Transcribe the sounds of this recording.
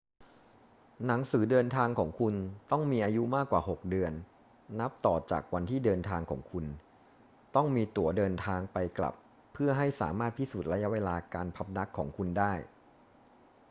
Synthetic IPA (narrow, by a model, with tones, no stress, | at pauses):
na˩˦ŋsɯː˩˦dɤː˧nt̪ʰaː˧ŋkʰɔː˩˦ŋkʰu˧nt̪ɔ˥˩ŋmiː˧ʔaː˧ju˦˥maː˥˩kːwaː˨˩ɦo˨˩k̚dɯ˧ənː | a˦˥p̚t̪ɔː˨˩t͡ɕa̰ː˨˩k̚wa˧nt̪ʰiː˥˩dɤː˧nt̪ʰaː˧ŋkʰɔ̰ː˩˦ŋkʰu˧n | t̪ɔ˥˩ŋmiː˧t̪u˨˩˦ɐdɤː˧nt̪ʰaː˧ŋpa˧jkla̰˨˩pʰː | ɯ˥˩ɐɦa˥˩jsa̰ː˩˦maː˥˩t̪̚pʰiː˥˩suː˨˩t̪̚ɾa˦˥ja˦˥weː˧laː˧kaː˧npʰa˦˥p̚na˦˥kʰːɔː˩˦ŋkʰu˧ndaː˥˩j